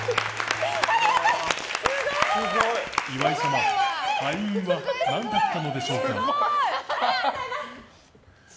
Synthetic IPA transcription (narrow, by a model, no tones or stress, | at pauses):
oɦoiβaisamaaĩβanãnd̪at̪ːano̞d̪e̞ɕo̞ːka̰